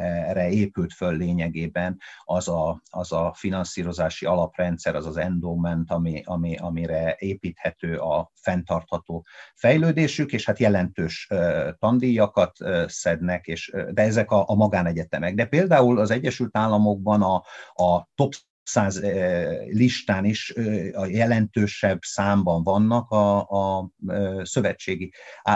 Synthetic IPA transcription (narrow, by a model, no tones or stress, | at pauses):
rɛeːpylt̪følːeːɲɛɡeːbɛnɒzɒɒzɒfinɒnsiːɾo̞zaːʃiɒlɒprɛnt̪sɛɾɒzɒzɛnd̪omɛnt̪ɒmiɒmiɒmiɾɛeːpiːt̪hɛt̪øːʔɒfɛnt̪ɒrt̪hɒt̪oːfɛjløːd̪eːʃykeːʃhat̪jɛlɛnt̪øːʃøt̪ɒnd̪ijɒkɒt̪øsɛd̪nɛkeːʃd̪ɛɛzɛkɒʔːmɒɡaːnɛɟɛt̪ɛmɛɡ̚d̪ɛpeːld̪aːulɒzɛɟːɛʃylt̪aːlːɒmo̞ɡ̚bɒnɒː | t̪o̞p | saːz | liʃt̪aːniʃɒjɛlɛnt̪øːʃɛbːsaːmbɒɱvɒnːɒkɒː | sø̞vɛt͡ʃːeːɡi